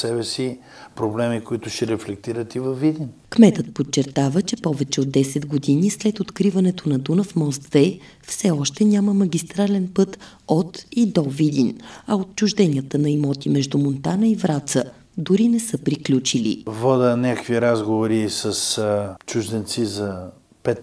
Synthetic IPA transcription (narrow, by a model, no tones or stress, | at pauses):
sɛbɛsi | pɾoblɛmikoit̪ʊʃɛɾɛflɛk̚t̪iɾət̪ivɐvːid̪inkmɛt̪ət̪̚pot͡ʃːɛɾt̪avət͡ʃɛpɔvɛt͡ʃɛod̪ːɛsɛd̪ɡod̪inislɛt̪ot̪kɾivɐnɛt̪onɐd̪unəfmɔst̪vɛ | fsɛɔʃt̪ɛnʲaməmɐɡʲist̪ɾalɛnpɤt̪ot̪id̪ɔvid̪ʲinɐot̪̚t͡ʃuʒd̪ɛnʲiət̪ənɐimɔt̪imɛʒd̪umont̪anəivɾat̪sə | d̪uɾinɛsɤpɾiklʲut͡ʃilḭvɔd̪ənʲakə̥kviɾazɡovoɾisɐst͡ʃuʒd̪ɛnt̪sizɐ | pɛt̪